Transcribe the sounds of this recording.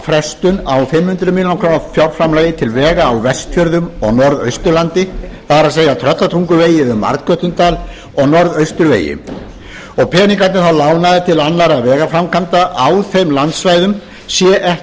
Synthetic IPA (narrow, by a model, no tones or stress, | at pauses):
fɾɛst̪ʏnawfɪmhʏnt̪ɾʏmillnakʰɾoːwnafjawɾfɾamlaːjɪt̪ʰɪlvɛːɣaːwvɛst̪fjœɾðʏmɔɣnɔɾðœ̰ɥst̪ʏɾlant̪ɪpaðɾaseːjat̪ʰɾœt̪lat̪ʰɾuŋkʏveːjɪʏɾma̰ɾt̪kœt̪ʏnt̪aːl | ɔɣnɔɾðœɥst̪ʏɾvḛːjɪ̰ | ɔɣpʰɛːniŋkat̪nɪθawlawnaðɪt̪ʰɪlanːaɾavɛːɣafɾamkʰant̪aʔawθejmlant̪svaːjðʏm | sjɛʔɛh